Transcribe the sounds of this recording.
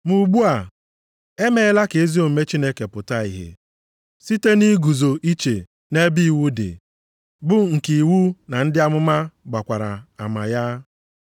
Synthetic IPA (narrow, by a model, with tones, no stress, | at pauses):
mu˨ɡ͡bu˦a˨ | e˦me˦e˦la˦ke˨e˦zi˦o˨m̩˨me˦t͡ʃi˦ne˦ke˨pʊ˨ta˦ḭ˨ɦḛ˨ | si˦te˦ni˦ɡu˨zo˨ʔi˦t͡ʃe˨ | ne˦bi˦˨wu˦dɪ̰˨ | bʊ˦ŋ̩˨ki˨wu˦na˨n̩˦dɪ˦a˦mʊ˦ma˦ɡ͡ba˨kʷa˨ɾa̰˨a˨ma˨ja˦